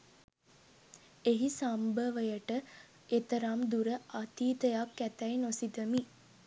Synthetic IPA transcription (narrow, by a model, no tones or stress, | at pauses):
eɦisambəʋəjəʈə | et̪əɾamd̪uɾəʔat̪iːt̪əjakːæt̪æjnosid̪əmi